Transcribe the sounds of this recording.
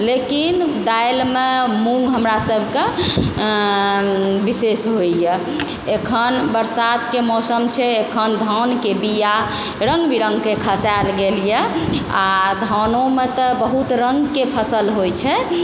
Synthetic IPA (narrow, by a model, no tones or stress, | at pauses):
lekind̪ajlmemũŋɡɦəmɾasəbʱke | bisesɦoijɛ | ekʰənbəɾsat̪kemɔsəmt͡ʃʰɛekʰənd̪ʱankebija | ɾə̃ŋɡbiɾə̃ŋɡkekʰəsalɡeljɛad̪ʱɔnõmet̪ɔbəɦut̪ɾəŋɡkepʰəsəlɦojt͡ʃʰɛ